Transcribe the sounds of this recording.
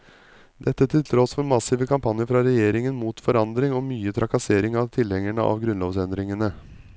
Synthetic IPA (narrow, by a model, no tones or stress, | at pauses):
d̪ɛt̪ːət̪ʰɪlt̪ʰɾɔsfɔɾmɑsɪʋəkʰɑmpʰɑnjəɾfɾɑɾɛjeːɾɪŋənmuːt̪fɔɾɑnd̪ɾɪŋɔːmyːət̪ʰɾʔɑkɑseːɾɪŋɑʋt̪ʰɪlhɛŋæɳə̰ʔɑ̰ʋɡɾʉnloːʋsɛnd̪ɾɪŋənə